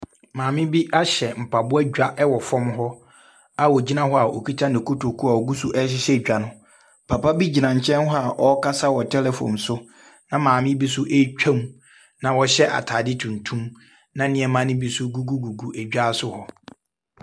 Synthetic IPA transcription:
mãː˨mɪ̃˦bi˦ʔa˦ɕɛ˨m̩˨pʰa˨bʊ˦ɛ˦ɟᶣa˦ʔɛ˦wɔ˨fɔ̃˦mɦɔ˦ | a˨wɔ˨d͡ʑi˦nã˦hɔ˦a˨ʔo̰˨kʰi˦tʰã˦ndɪ̃˨kʰʊ˦tʰo˨kʰu˦a˨ɔ˨ɡu˦sʊ˦ʔɛ˦ɕɪ˦ɕɛ˦d͡ʑᶣa˨nʊ̃˦ | pʰa˨pa˦bi˦d͡ʑi˨nã˨ɲ̩˨t͡ɕʰɛ̃˦nhɔ˦a˨ʔɔ˦kʰa˦sa˦wɔ˨tʰɛ˦lɛ˨fɔ̰̃˨msʊ˦ | nã˨mãː˨mɪ̃˦bi˦sʊ˦ʔe˦t͡ɕᶣʰã˦m | nã˨wɔ˨ɕɛ˦ʔa̰˨tʰaː˨dɪ˦tʰũ˨n˨tʰũ˦m | nã˨˦nɪ̃˨˦ɛ˨mã˦nɪ̃˦bi˦sʊ˦ɡu˦ɡu˦ɡu˨ɡu˨ʔæ˨d͡ʑᶣa˦sʊ˦hɔ˦

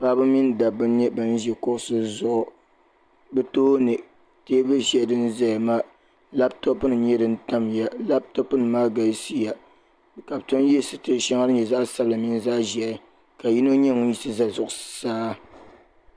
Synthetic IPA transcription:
paː˦bɨ˦mi˦n˦da˨bɨ˦ɲɛ˦bɨ˨n˦ʒɛ˨kʊ˦ʔsɨ˦zʊ˦ʔʊ˦ | bɨ˦toː˦nɨ˨ | teː˦bɨ˦ʃɛ˦˨dɨ˦n̩˦za˦˨ma˦ | la˦b̚to˦pɨ˦nɨ˨˦ɲɛ˦dɨ˦n̩˦ta˦mja˦la˦b̚to˦pɨ˦nɨ˨maː˦ɡa˨lsi˦ja˨ | ka˨btʊ˦n˦jɛ˦sɨ˨tɨ˦ʃa˦ŋa˦nɨ˦ɲɛ˨za˦ʔsa˦bla˨mi˦n˦za˦ʔʒɛ˨˦ | ka˨ji˦no˦ɲɛ˦ŋʊ˦ji˦sɨ˦za˦˨zʊ˨ʔʊ˨saː˦

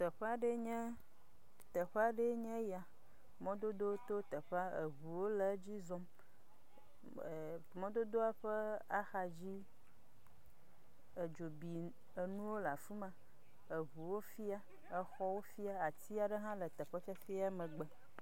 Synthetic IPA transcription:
t̪ɛ˨ɸe˦a˦ɖe˦ɲɛ̃˦ | t̪ə˨ɸe˦a˦ɖe˦ɲɛ̃˦ja˨ | mɔ̃˦d̪o˦d̪o˦t̪o˦t̪ə˨ɸa˦e˨ɦu˨wo˦le˨˦d͡ʑi˦zɔ˦m˨ | mɔ̃˦d̪o˦d̪o˦a˦ɸe˦a˦xa˨d͡ʑi˦ | e˨d͡ʒo˨bi˨ | e˨nũ˦wo˦la̰˨fu˦mã˨ | e˨βu˨wo˦fi˦a˦ | e˨xɔ˦wo˦fi˦a˦a˨t̪i˦a˨ɖe˦ɦã˦lə˨t̪ɛ˨ɸe˦fi˦a˦fi˦a˦mə̃˨ɡ͡bɛ˦˨

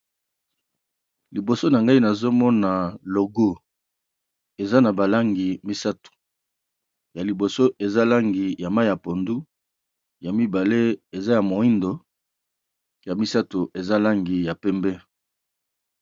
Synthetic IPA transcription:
li˨bo˨so˦na˨ŋɡa˦i˦na˨zo˦mɔ˦na˨lo˨ɡo˦ | e˨za˦na˨ba˨la˦ŋɡi˨mi˦sa˦to̥˨ | ja˨li˨bo˨so˦ʔe˨za˦la˦ŋɡi˨ja˨ma˦ja˨po˨ndu˦ | ja˨mi˦ba˨le˦e˨za˦ja˨mo˨i˦ndo˨ | ja˨mi˦sa˦to˨ʔe˨za˦la˦ŋɡi˨ja˨pɛ˦mbɛ˦

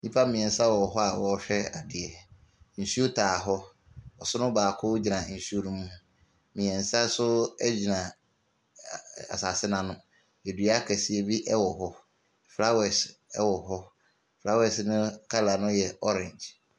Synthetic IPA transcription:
ɲĩ˦pʰa˦mĩ˨ɛ̃˨n̩˨˦sa˦wɔ˨ɦɔ˦a˨wɔ˨˦ɕᶣɛ˦a˨dɪ˨ɛ˨ | n̩˨su˦o˦tʰaː˨ɦɔ˦ | ɔ˨sʊ˦nʊ̃˦baː˨kʰʊ˦d͡ʑi˨nã˨n̩˨su˦o˦nũ˦mũ˦ũ˦ | mĩ˨ɛ̃˨n̩˨sa˦sʊ˦ɛ̰˦d͡ʑi˨nã˨ | a̰˨sa˨sɪ˦nã˨nʊ̃˦ | e˨dɥa˦kʰɛ˨si˦e˦bi˦ʔɛ˦wɔ˨ɦɔ˦˨ | fɾa˦wɛ˨sɛ˦wɔ˨ɦɔ˦ | fɾa˦wɛ˨snʊ̃˦kʰa˦la˨nʊ̃˦jɛ˨ɔ˦ɾɛ̃˨ɲd͡ʒ

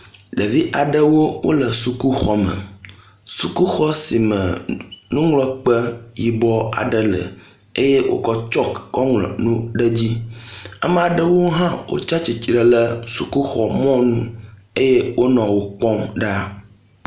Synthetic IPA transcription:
ɖə˨vi˦ʔa˨ɖə˦wo˦wʔo̰˦lə˨su˨ku˦xɔ˦mə̰̃˨ | su˨ku˦xɔ˦si˨mə̰̃˨nũ˦ŋlɔ˦k͡pə˦ji˨bɔ˦a̰˨ɖə˦lə̰˨ | e˦je˦wo̰˦kɔ˦t͡ʃɔ˦kːɔ˦ŋlɔ̰˨nũ˦ɖə˦d͡ʑi˦a̰˨me˨a˨ɖə˦wo˦ɦã˦wo̰˨t͡ʃa˦t͡ɕi˨t͡ʃɾə˨lə˦su˨ku˦xɔ˨mɔ̃˦nṵ̃˦ | e˦je˦wʔo˦nɔ̃˨wo˨k͡pɔ̃˦mɖa˦

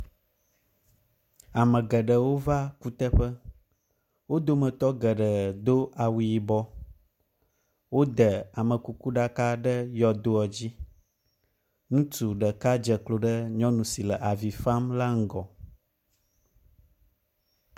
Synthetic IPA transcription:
a˨mə̃˨ɡə˨ɖə˨wo˦va˦ku˦t̪ə˦ɸə˦ | wo˦d̪o˦mə̃˨t̪ɔ˦ɡə˨ɖə˨d̪o˦ʔa˨wu˨ji˨bɔ˦ | wo˦d̪ə˨a˨mə̃˨ku˨ku˦ɖa˦ka˦ɖə˦jɔ˨d̪o˦ɔ˨d͡ʑi˦ | nũ˦t̪u˨ɖə˨ka˦d͡ʒə˨klo˨ɖə˦ɲɔ̃˦nũ˨si˨lə˨ʔa˨vi˨fa˦mla˦ŋ̩˦ɡɔ˨

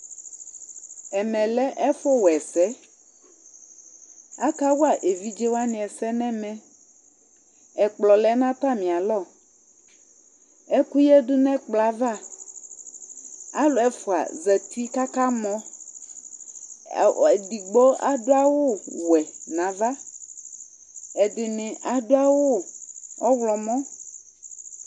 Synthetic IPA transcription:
ɛ˨mɛ̃˨lɛ˦ʔɛ˦fɔ˦wɛ˨sɛ˦ | a˦ka˦wo˦a˨ʔe˨vi˦d͡ʒe˦wa˦nĩ˨ɛ˨sɛ˦nɛ̃˦mɛ̃˦ | ɛ˨k͡plɔ˨lɛ˦nã˦ta˦˨mĩ˨a˨lɔ˦˨ | ɛ˦ku˦jɛ˦du˦nɛ̃˦k͡pla˨va˦ | a˦lo˨ɛ˦fo˨a̰˨zɛ˨t̪u˦i˦ka˦ka˦mɔ̃˦˨ | ɛ˨di˨ɡ͡bɔ˦a˨do˦a˦wo˦wɛ˨nã˨va˦ | ɛ˨dɪ˨nɪ̃˨ʔa˨do˦a˦wo˦ɔ˦wlɔ˨mɔ̃˦

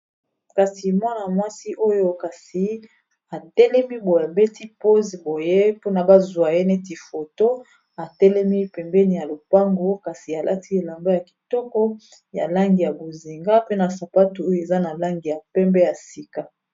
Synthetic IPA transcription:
ka˨si˨mwa˦na˨mwa˦si˦ʔo˦jo˦ka˨si˨˦ | a˨tɛ˦lɛ˦mi˦bo˨e˨be˦tʰi˦po˦zi˨bo˨je˦po˦na˨ba˦zwa˨je˦ne˦ti˨fo˨to˦ | a˨tɛ˦lɛ˦mi˦pɛ˨mbɛ˦ni˨ja˨lo˨pa˦ŋɡo˦ka˨si˨a˨lʔa˦ti˦e˨la˨mba˦ja˨ki̥˨tɔ˦kɔ˦ | ja̰˨la˦ŋɡi˨ja˨bo˨zi˨ŋɡa˦pe˦na˨sa˨pa˦tu˨o˦jo˦˨e˨za˦na˨la˦ŋɡi˨ja˨pɛ˦mbɛ˦ja˨si˨ka˨

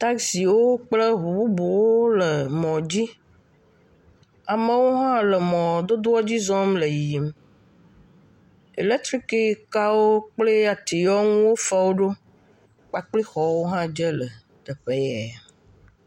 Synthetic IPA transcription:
t̪a˦ksi˨wo˦k͡plə˦ɦu˨bu˦bo˨wo˦lə˨mɔ̃˨d͡ʑi˦ | a˨mə̃˦wo˦ɦã˦lə˨mɔ̃˨d̪o˦d̪o˦ɔ˦d͡ʑi˦zɔ˦mlə˨ji˨i˨m | ḛ˨le˦t̪ɾi˦ki˦ka˦wo˦k͡plə˦a˨t̪i˨jɔ˦ŋũ˦wo˦fɛ˦wo˦ɖo˦ | k͡pa˨k͡pli˦xɔ˨wo˦ɦã˦d͡ʒə˦lə˨ | t̪ə˨ɸe˦jɛ˨

